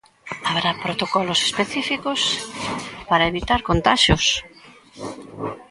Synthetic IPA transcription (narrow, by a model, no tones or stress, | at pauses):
aβɾapɾot̪okɔlose̥speθifikos | paɾaeβit̪aɾkont̪aʃʊs